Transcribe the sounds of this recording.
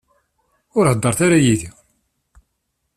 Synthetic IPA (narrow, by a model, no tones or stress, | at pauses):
ʊɾhəd̪ːɑɾˤθaɾajiði